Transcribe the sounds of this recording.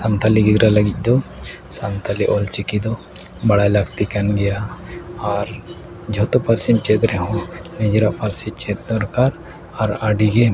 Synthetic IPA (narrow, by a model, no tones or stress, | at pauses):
sant̪ʰaliɡiɡ̪ɾaləɡic̚ˀd̪ɔ | sant̪ʰaliʔɔlt͡ʃikid̪ɔ | baɽajlaɡt̪ikanɡɛjaː | ɾ | d͡ʒʱɔt̪ɔpaɾsimt͡ʃɛt̪ɾɛɦɔ̃nid͡ʒɾaʔpaɾsit͡ʃɛt̪̚d̪ɔɾkaɾ | aɾaɖiɡɛ